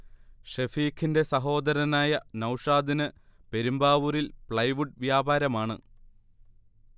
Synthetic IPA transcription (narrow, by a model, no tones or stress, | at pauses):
ʂefiːkʰːinde̞sɐɦo̞ːd̪ɐɾɐnaːjɐnɐwʂaːd̪inɨpe̞ɾumbaːʋuɾilpɭɐjʋuɖʋjaːbʱaːɾɐmaːɳɨ̰